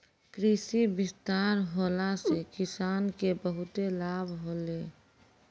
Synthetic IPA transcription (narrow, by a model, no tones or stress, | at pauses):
kɾisibɪst̪aːɾɦoːlasekɪsaːnkebəɦʊt̪elaːbʱɦoːleː